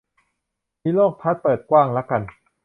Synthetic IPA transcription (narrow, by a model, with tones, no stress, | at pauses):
miː˦˥lɔː˥˩k̚p̪ʰa˦˥t̪̚pɤː˨˩t̪̚kwaː˥˩ŋlɛ˦˥ka˧n